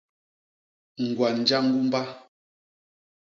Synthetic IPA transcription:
ŋ̩˨ɡwa˨n̩˨d͡ʒa˦ŋ̩˦ɡu˦m˦ba˦

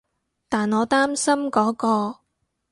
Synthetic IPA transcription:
t̪aː˨˩nɔː˨˧t̪aː˥msɐ˥mkɔː˨˥kɔː˧

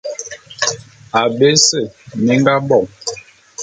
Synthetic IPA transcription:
a˨be˦sə˦˨ni˦ŋ˦ɡa˦bɔ˦˨ŋ

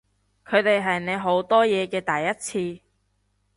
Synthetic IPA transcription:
kʰɵ˨˧ɥt̪e˨jɦɐ˨jne˨˧jɦo˨˥wt̪ɔː˥jɛː˨˧kɛː˧t̪ɐ˨˩jːɐ˥t̚t͡sʰiː˧

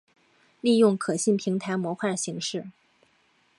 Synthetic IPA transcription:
li˥˧jʊ˥˩ŋkʰɤ˨˩ɕi˥˩npʰi˧˥ŋt̪ʰa˧˥ɪmwɔ˧˥xwa˥˩ɕi˧˥ŋʂɻ̩˥˩

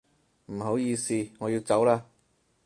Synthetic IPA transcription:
m̩˨˩ho˨˥wjiː˧siː˧ŋɔː˨˧jiː˧wt͡sɐ˨˥wlaː˧

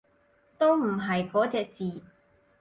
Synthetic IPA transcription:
t̪o˥wm̩˨˩ɦɐ˨jkɔː˨˥t͡sɛː˨˧k̚t͡siː˨˩

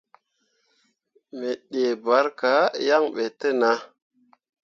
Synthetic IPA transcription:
me˨ɗe˨ba˨˦ɾka˨˦ja˦ŋɓe˨te˦˨na˨˦

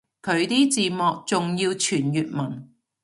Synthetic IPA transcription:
kʰɵ˨˧˥ɥt̪iː˥t͡siː˨mɔː˨k̚t͡sʊ˨ŋjiː˧wt͡ʃʰyː˨˩njyː˨t̚mɐ˨˩ŋ

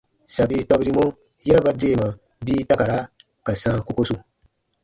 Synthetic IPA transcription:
sa˨bi˦tɔ˦bi˦ɾi˦mõ˦ | jɛ˦ɾa˦ba˦de˦˨mã˨ | biː˦ta˦ka˨ɾa˦ | ka˨sãː˦ko˦ko˦su˨

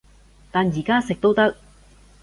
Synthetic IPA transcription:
t̪aː˨njiː˨˩kaː˥sɪ˨k̚t̪o˥wt̪ɐ˥k̚

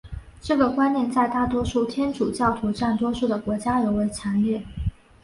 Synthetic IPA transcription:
ʈ͡ʂɤ˥˩ɡə˩kwa˥njɛ˥˧nt͡sa˥˧ɪt̪a˥˩t̪̬wɔ˥ʂu˥˩t̪ʰjɛ˥nʈ͡ʂʰu˨˩t͡ɕjɑ˥˩ʊt̪ʰu˧˥ʈ͡ʂa˥˩nt̪̬wɔ˥ʂu˥˩d̪ə˩kwɔ˧˥t͡ɕja˥jo˧˥ʊwe˧˥ɪt͡sʰja˧˥ŋlɛ˥˩

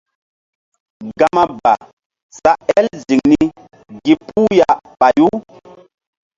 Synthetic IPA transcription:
ɡa˨ma˦ba̰˨ | sa˦ɛ˦lzi˨ŋni˦ | ɡi˨pʰu˦ja˨pa˨ju˦

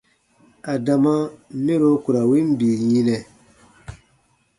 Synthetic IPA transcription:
a˨da˨ma˦mĩ˦ɾo˦ku˨ɾa˨wi˦m˦biː˨jĩ˦nɛ˨

